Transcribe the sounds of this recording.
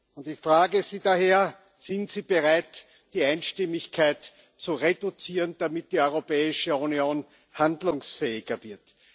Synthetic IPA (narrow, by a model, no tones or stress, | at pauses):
ʊntɪçfʁ̥aːɡəziːdaheːɐ | z̥ɪntz̥iːb̥əʁaɪt | d̥iːaɪnʃtɪmɪçkʰaɪt | t͡suʁedʊt͡siːʁənd̥amɪt̚d̥iːɔʏʁopɛːɪʃəunjoːn | handlʊŋsfɛːɪɡɐvɪɐt